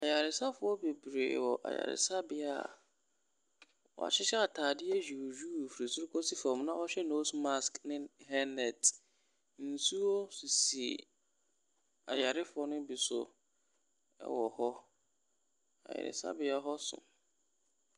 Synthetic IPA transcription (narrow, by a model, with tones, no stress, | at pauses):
a˨ja˨ɾɪ˨sa˦fʊ˨˦ɔ˦be˨bɾḛ˨wɔ˨ʔa̰˨ja̰˨ɾɪ̰˨sa˦bɪ˦a˦˨ | ɔ̰˨a̰˨t͡ɕʰɪ˦ɕɛ˦a˨tʰaː˨dɪ˦ɛ˦d͡ʑᶣi˨d͡ʑᶣuː˦˨fɾi˨sʊ˦ʊ˦kʰɔ˦si˨fɔ̃˨mnã˦ɔ˦ɕᶣɛ˦no˦sma˦sknɪ̃˦hɛ˦nɛ˨t | n̩˨su˦o˦si˨si˨ | a˨ja˨ɾɪ˦fʊ˨˦ɔ˦nʊ̃˦bi˨sʊ̰˨ | ɛ̰˦wɔ˨hɔ˦ | a̰˨jɛ̰˨ɾɪ̰˨sa̰˦bɪ˦a˦ɦɔ˦sʊ̰̃˨